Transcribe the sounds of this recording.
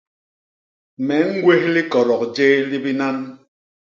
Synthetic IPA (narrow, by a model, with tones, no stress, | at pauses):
mɛ˨˦ŋ̩˦ɡwe˦hli˦kɔ˨ɾɔ˨k̚d͡ʒe˦li˦bi˦na˦n